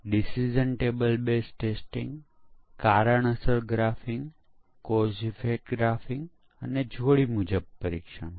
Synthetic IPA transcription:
ɖisid͡ʒənʈebəlbesʈesʈĩŋɡ | kaɾəɳəsəɾɡɾafɪŋɡ | kozifeʈɡɾafɪŋɡ | əned͡ʒʱoɽimud͡ʒəb̚pəɾikʃə̰ɳ

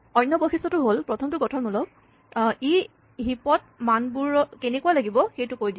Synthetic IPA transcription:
ɔjnːɔboxistɔtʊɦolpɹɔtʰɔmtʊɡɔtʰɔnmulɔ | i | ɦipɔt̚ | manbuɹɔkenekualaɡibɔxejtʊkojdi

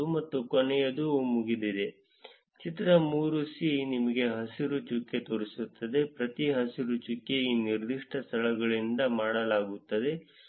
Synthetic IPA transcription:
umɐt̪ːukonɛjɐd̪umuɡid̪id̪e̞ | t͡ʃit̪ɾɐmuːɾusinimɐɡe̞ɦɐsiɾut͡ʃukːet̪oːɾisut̪ːɐd̪e̞pɾɐt̪iɦɐsiɾut͡ʃukːeiːniɾd̪iʂʈɐst̪ʰɐɭɐɡɐɭind̪ɐmaːɽɐlaːɡut̪ːɐd̪e̞

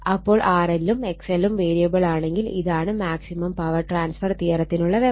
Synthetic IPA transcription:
ɐpːoːɭʔaːɾɐlːɯmɛksɛlːɯmʋeːɾijɐbɐɭaːɳeŋɡɪlḭðaːnɯmaːksimɐmpɐʋɐɾʈɾaːnsfɐɾt̪iːɐɾɐt̪ːɪnɯɭːɐʋɛ

